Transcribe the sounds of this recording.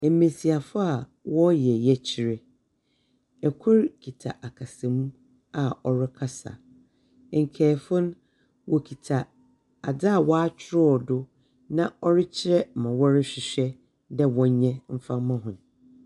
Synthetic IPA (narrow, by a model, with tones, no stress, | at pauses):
e˨˦mẽ˨si˨a˨fa˦a˨wɔ˦jɛ˨jɛ˦t͡ɕʰɪ˨ɾɛ˨ | ɛ˨kʰʊ˦ɾkʰi˨tʰa˨ʔa˨kʰa˨sɛ̃˨mũ˦ | a˨ɔ˨ɾɪ˦kʰa˦sa̰˨ | ŋ̩˨kʰɛː˨fʊ̃˦n˦ | wɔ˨kʰi˨tʰa˨ | a˨da˦a˨wɔ˦a˦t͡ɕʰᶣɪ˦ɾɔ˦˨dʊ˦ | nã˦˨ɔ˦ɾɪ˦t͡ɕʰɪ˦ɾɛ˦˨mã˨wɔ˦ɾɪ˦ɕᶣɪ˨ɕᶣɛ˦ | dɛ˦wɔ̃˨˦ɲ˦ɲɛ̃˦m̩˦fã˦mã˦ɦʊ̃˨m˨